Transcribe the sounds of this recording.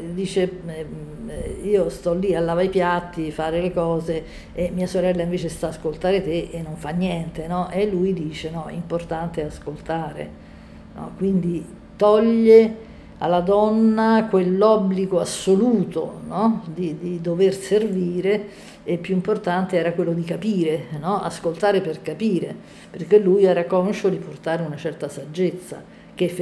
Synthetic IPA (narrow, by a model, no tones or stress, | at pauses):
d̪iːt͡ʃeɛ | iːost̪ɔlːialːaːvajpjat̪ːifaːɾelekɔːze | emːiːasoɾɛlːaiɱveːt͡ʃest̪aːskolt̪aːɾet̪eʔenːoɱfanːjɛnt̪enɔʔelːujd̪iːt͡ʃenɔɛ̰import̪ant̪easkolt̪aːɾḛ | nɔ̰kwind̪i | t̪ɔʎːe | a̰lːad̪ɔnːakwelːɔbliɡoasːoluːt̪o̰nɔd̪id̪id̪overserviːɾeː | pːjuimport̪ant̪eɛːɾakwelːod̪ikapiːɾenɔa̰skolt̪aːɾeperkapiːɾe | perk̟elːujɛːɾakɔnʃod̪iport̪aːɾeunat͡ʃɛrt̪asad͡ʒːet̪sːa̰ | ke